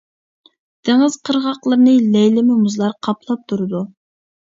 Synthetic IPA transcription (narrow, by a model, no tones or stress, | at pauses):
d̪̥eŋɪz̥qʰəɾʁɑqlˠəɾnɨlɛjlɪmɪmuzlˠɑɾqʰɑplˠɑp̚t̪ʰuɾɨd̪u